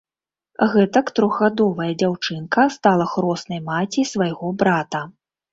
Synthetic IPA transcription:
ɣɛt̪ɐkt̪ɾɔɣɣad̪ɔvɐjɐd͡zʲawt͡ʂɨnkɐst̪alˠɐxɾɔsnɐjmat͡sʲisvajɣɔbɾat̪ɐ

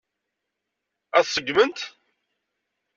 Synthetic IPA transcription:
æθsəɡːmənt̪

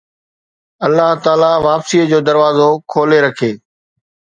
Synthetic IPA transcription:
ɐlːaɦt̪aːlaʋaːpsiːəd͡ʑoːd̪ɐɾʋaːzokʰoːleɾɐkʰeː

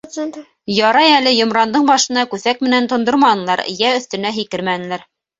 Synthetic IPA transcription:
jɑɾɑjælɘjŏmɾɑnd̪ɤɴbɑʃɤ̆nɑkʉθæk̚mɘ̆nænt̪ŏnd̪oɾmɑnɤ̆lˠɑɾ̰jæɵ̆θt̪ɵ̆næɦikɘɾmænɘ̆læɾ

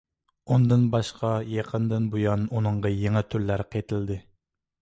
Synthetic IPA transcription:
und̪ɨnbɑʃqʰɑjɑqʰənd̪ɨnbujɑnunɨɴʁɑjeŋɨt̪ʰyɾlæɾqʰet̪ʰɪld̪ɪ

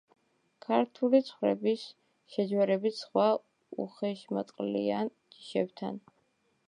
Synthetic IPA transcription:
kʰaɾt̪ʰulit̪sʰχwɾɛ̰bis | ʃɛd͡ʒwɛɾɛbisχwa | uχɛʃmɔt̪ʼqʼlḭan | d͡ʒi̥ʃɛbt̪ʰa̰n

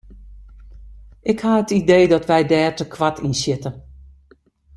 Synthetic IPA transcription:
ʔɪkhaətidejdɔtʋɛjdɛːrtəkʰʋatʰinsɪtə

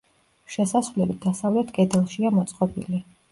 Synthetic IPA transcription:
ʃɛsasvlɛbid̪asavlɛt̪ʰkʼɛd̪ɛlˠʃiamɔt̪sʼqʼɔbḭli

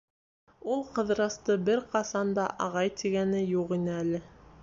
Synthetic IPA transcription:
ulˠqɤ̆ðɾɑst̪ɤbɘɾqɑsɑnd̪ɑʔɑʁɑjt̪iɡænɘjuʁinɘælɘ

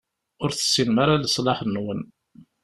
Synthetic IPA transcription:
ʊɾθə̥sːinmaɾaləsˤlɑħnːwən

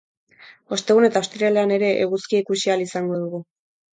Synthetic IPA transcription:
o̞st̪e̞ɣune̞t̪aost̪ɾiale̞ane̞ɾe̞ʔeɣuskieikusialisaŋɡo̞ðuɣu

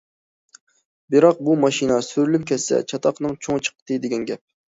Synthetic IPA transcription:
bɪɾɑq̚bumɑʃinɛsyɾylyp̚kʲʰɛsːɛ̰t͡ʃʰɑt̪ʰɑqnɨŋt͡ʃʰoŋt͡ʃʰə̥qət̪ʰɨd̪ɪɡʲɛnɡʲɛp̚

